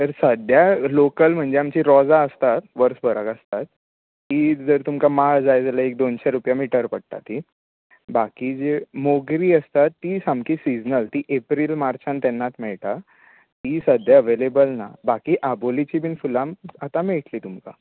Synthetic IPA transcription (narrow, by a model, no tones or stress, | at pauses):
t̪əɾsəd̪ʱjalokəlm̤əɳd͡zeamt͡ɕiɾɔd͡zaəst̪at̪ʋəɾsbʱəɾəkəst̪at̪̚ː | id͡zəɾt̪umkamaɭd͡zajd͡zaləek̚d̪onɕaɾupjamiːʈəɾpəɽ̚t̪a̰t̪i | bakid͡zemoɡɾiːəst̪at̪ːisãmkiːsid͡znəlt̪iʔepɾilmaɾt͡ɕãnt̪ɛnːat̪mɛɭʈ̪a | t̪isəd̪ʱjaəʋelebəlna̰bakiːʔabolit͡ɕibiːnfulamat̪ameɭʈliːt̪umka̰